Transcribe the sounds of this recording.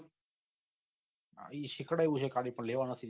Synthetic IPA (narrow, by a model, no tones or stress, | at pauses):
iʃɪkɽajʋuʃʰekaɽipəɳleʋanət̪ʰi